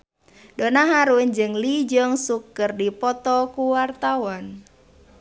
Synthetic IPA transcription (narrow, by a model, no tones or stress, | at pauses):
donaɦaɾund͡ʒɨŋlid͡ʒɔŋsukərdipɔt̪ɔkuwart̪awɔn